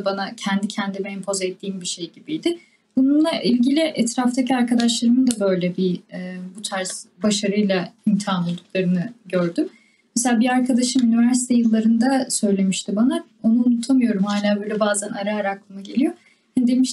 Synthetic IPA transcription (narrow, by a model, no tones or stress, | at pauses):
banacʰɛnd̪icʰɛnd̪imɛmpʰo̞zɛt̪ʰːiːmbiʃe̞jɟibijd̪ɪ | b̥ununlˠaʔilʲɟilʲɪʔɛt̪ɾaft̪ʰacʰiaɾkʰad̪aʃlˠaɾɯnɯd̪abø̞jlʲɛbiɛbut̪ʰaɾsbaʃaɾɯjlˠaimt̪ʰianolˠd̪uk̚lˠaɾɯnɯɟøɾd̪ym | meselʲaːbiaɾkʰad̪aʃɯmynivæɾsi̥t̪ʰɛjɯlˠːaɾɯnd̪asø̞jlʲe̞miʃt̪ʰibana | o̞nuːnut̪ʰamɯjo̞ɾumhaːlʲaːbø̞ːjlʲɛbaːzænaɾaːɾaklˠɯmaɟe̞lʲijo | hanid̪e̞miʃ